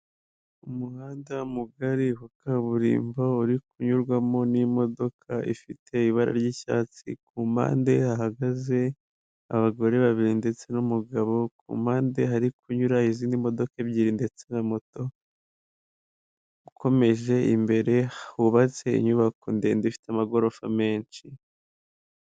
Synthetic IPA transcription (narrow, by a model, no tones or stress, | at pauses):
umuhaːndamuɡaɾiɦukaβuɾḭːmbouɾikuɲuɾɡwamo̞nimo̞do̞kʰaʔḭfitʰe̞iβaɾa̰ɾɟiʃa̰ːt͡sḭkuma̰ːnde̞aɦaɡaze̞ | a̰βaɡo̞ɾe̞βaβiɾinde̞t͡se̞numuɡaβo̞kṵmaːnde̞ɦaɾikuɲuɾaiziːndimo̞do̞kebɟiːɾinde̞t͡se̞namo̞to̞ | ukʰo̞me̞ʒe̞imbe̞ɾe̞huβat͡se̞ḭɲuβakondendifi̥teamaɡo̞ɾofame̞ːnt͡ʃi